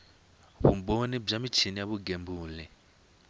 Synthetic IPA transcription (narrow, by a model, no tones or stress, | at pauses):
βṵmbonib͡ʐamit͡ʃʰinijaβuɡembuːlɛ